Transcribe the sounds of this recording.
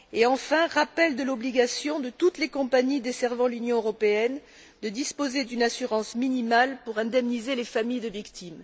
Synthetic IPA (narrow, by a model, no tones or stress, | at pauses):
eɑ̃fɛ̃ʁapɛld̪əlɔbliɡasjɔ̃d̪ət̪ut̪lekɔ̃paɲid̪esɛʁvɑ̃lynjɔ̃øʁɔpeɛn | d̪əd̪ispozed̪ynasyʁɑ̃sminimalpuʁɛ̃d̪ɛmnizelefamijd̪əvikt̪im